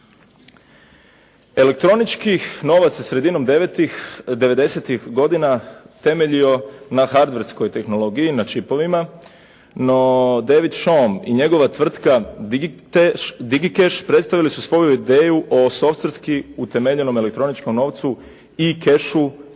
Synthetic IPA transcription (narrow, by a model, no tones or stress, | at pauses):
e̞le̞k̚t̪ɾo̞nit͡ʃkino̞ːʋat̪sesɾe̞d̪ino̞md̪et̪id̪eʋe̞d̪e̞se̞t̪ixɡo̞d̪ina | t̪e̞me̞ʎio̞naxaɾd̪ʋeɾsko̞jt̪e̞xno̞lo̞ɡijinat͡ʃipo̞ʋima | nod̪eʋid̪ʃomḭɲe̞ɡo̞ʋat̪ʋr̩t̪ka | d̪iɡikeʃpɾe̞t̪st̪aʋilisusʋo̞juid̪e̞ːjuʔo̞so̞fst̪ɾskiut̪e̞meʎe̞no̞mele̞k̚t̪ɾo̞nit͡ʃko̞mno̞ʋt̪su | ike̞ʃu